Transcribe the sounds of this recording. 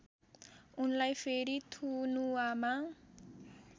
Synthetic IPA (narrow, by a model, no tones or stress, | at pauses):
unlajpʰeɾit̪ʰunuwama